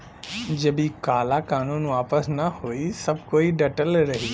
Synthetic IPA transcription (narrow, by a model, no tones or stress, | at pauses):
d͡ʒɐbikaːlakaːnũːnʋaːpəsnɐhoisɐb̚koːiɖɐʈəlɾɐɦiː